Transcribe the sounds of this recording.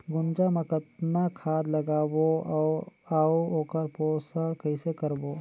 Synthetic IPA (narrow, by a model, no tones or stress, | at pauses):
ɡʊnd͡ʒamɐkət̪nakʰaːd̪lɐɡaːbo | aːooːkəɾpoːsəɽkɐɪsekɐɾboː